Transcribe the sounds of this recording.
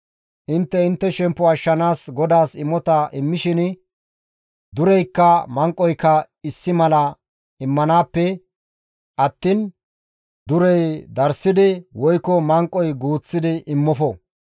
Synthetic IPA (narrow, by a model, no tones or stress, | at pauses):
ʔɪnt̪ːɛɪnt̪ːɛʃɛmpːɔɐʃːɐnaːsɡɔd̪aːsɪmːɔt̪ɐʔɪmːɪʃɪn | d̪ʊɾɛjkːɐmɐŋkʼːɔjkːɐ | ɪsːɪmɐlɐ | ɪmːɐnaːpːɛ | ʔɐt̪ːiːn | d̪ʊɾɛjd̪ɐɾsɪd̪ɪwɔjkːɔmɐŋkʼːɔjɡuːt͡sːɪd̪ɪʔɪmːɔfɔ